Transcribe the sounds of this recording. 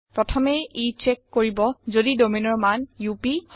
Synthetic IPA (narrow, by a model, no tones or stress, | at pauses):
pɹɔtʰɔmɛit͡ʃɛkːoɹibɔzodidominɔɹmanjupi